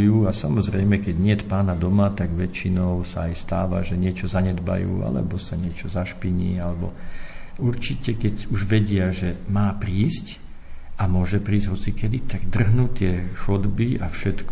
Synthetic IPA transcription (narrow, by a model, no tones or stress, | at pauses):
juːasamɔzɾɛjmɛkɛɟɲɪɛt̪paːnad̪ɔmat̪aɡʋɛt͡ʃinɔʊsaajst̪aːʋa̰ʒɛɲɪɛt͡ʃɔzaɲɛd̪ba̰jṵːa̰lɛ̰bɔsaɲɪɛt͡ʃɔzaʃpiɲḭːalɛbɔ̰ | uɾt͡ʃicɛkɛɟuʒʋɛɟɪaʒɛmaːpɾiːsc | amʊɔʒɛpɾiːzɟɦɔt͡sikɛd̪it̪aɡd̪r̩ɦnuːt̪ːɪɛxɔd̪biafʃɛt̪k